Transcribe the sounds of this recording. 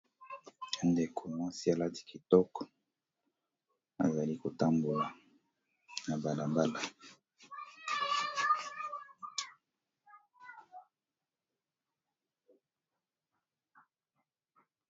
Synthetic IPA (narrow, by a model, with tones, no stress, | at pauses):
a˨nde˨kʰo˨mwa˦si˦a˨la˦ti̥˨ki˨tɔ˦kɔ̥˨ | a̰˨za˨li˦ko˨ta˦mbu˨la˨ | na˨ba˨la˨ba˦la˨